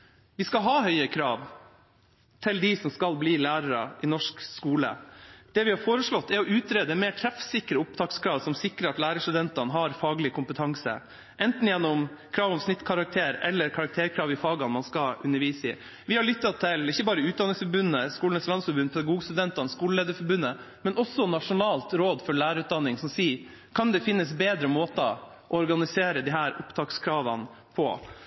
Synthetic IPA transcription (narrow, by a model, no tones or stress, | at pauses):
ʋɪskɑɦɑːhœʏəkʰɾɑːʋ | t̪ʰɪld̪ɪsɔmskɑlbliːlæːɾəɾɑ̰ʔɪnɔʂkskuːlə̰d̪̥ɛʋɪhɑfoːɾəʂɭɔt̪ːɛɾɔʉːt̪ɾeːd̪əɛmeːʈʰɾɛfsɪkːəɾəʊp̚t̪ʰɑːkskʰɾɑːʋsɔmsɪkːɾəɑt̪læːɾəst̪ʉd̪ɛnt̪ɑnɦɑɾfɑːɡlɪkʰʊmpət̪ʰɑŋsə̰ | ʔɛnt̪n̩jɛnːɔmkʰɾɑːʋɔmsnɪt̪ːkʰɑɾɑk̚t̪ʰeːɾɛ̰lːəɾkʰɑɾɑkt̪ʰeːɾkʰɾɑːʋɪfɑːɡɑnmɑnskɑʉnːəɾʋiːsɪ̰ | ʋɪhɑɭʏt̪ːɑt̪ʰɪlɪçːəbɑːɾəʉːt̪d̪ɑnɪŋsfɔɾbʉnːəskuːlnəslɑnsfɔɾbʉnːpʰɛd̪ɑɡuːɡst̪ʉd̪ɛnt̪ɑnskuːləleːd̪əfɔɾbʉnːə | mɛnɔsːɔnɑʂʊnɑːlt̪ɾoːd̪fɔɭæːɾəʉːt̪̚d̪ɑnːɪŋsɔmsiː | kʰɑnd̪ɛfɪnːəsbeːd̪ɾəmoːt̪ɑ̰ | ʔɔɔɾɡɑnɪseːɾəd̪ɪhæːɾʊpt̪ʰɑːkskʰɾɑːʋə̰n | pʰɔ̰